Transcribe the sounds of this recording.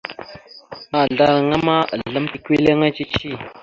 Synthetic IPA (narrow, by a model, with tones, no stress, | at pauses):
ma˦˨ɮa˦ɾa˨ŋa˦ma˦a̰˨ɮə˦mki˦kʷi˦le˦ŋa˦t͡ʃi˦t͡ʃi˦˨